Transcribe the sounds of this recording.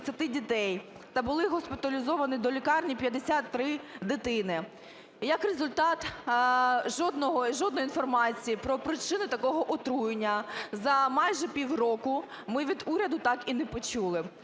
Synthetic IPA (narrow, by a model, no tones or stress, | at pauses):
sʲɐt̪ɪdʲit̪ɛjt̪ɐbʊlˠɪɦɔspʲɪt̪ɐlʲizɔʋɐnid̪ɔlʲikɑrnʲipʲjɐd̪esʲat̪ːɾɪd̪ɪt̪ɪnɪ | jɐkrezʊlʲt̪ɑt̪ | ʒɔd̪nɔɦɔʒɔd̪njinfɔrmɑt͡sʲijipɾɔpɾɪt͡ʃɪnʊt̪ɐkɔɦɔʔɔt̪ɾujɪnʲːɐzɐmɑjʒɛpʲiwrɔkʊ | mɪʋʲid̪uɾʲɐd̪ʊt̪ɑkinɛpɔt͡ʃulˠɪ